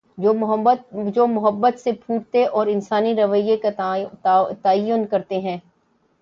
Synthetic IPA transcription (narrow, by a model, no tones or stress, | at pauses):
d͡ʒoːmʊɦəbːət̪sepʰuːʈt̪eʔɔːɾɪnsaːniɾɐʋəjek | t̪aːjʊnkɐɾt̪eɦɛ̃ː